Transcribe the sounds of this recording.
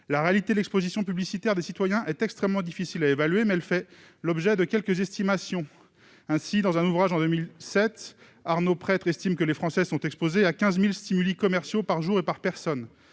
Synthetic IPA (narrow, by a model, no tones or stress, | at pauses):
laʁealit̪ed̪lɛkspozisjɔ̃pyblisit̪ɛʁd̪esit̪wajɛ̃ʔɛt̪ɛkst̪χɛmːɑ̃d̪ifisilaevalɥemɛɛlfɛ | lɔbʒɛd̪əkʲɛlkəzɛst̪imasjɔ̃ | ɛ̃sid̪ɑ̃zɛ̃nuvʁaʒɑ̃d̪ømilsɛt̪ | aʁnopχɛt̪χɛst̪imkəlefχɑ̃sɛsɔ̃t̪ɛkspozeakʲɛ̃zmilst̪imylikɔmɛʁsjopaʁʒuʁepaʁpɛʁsɔn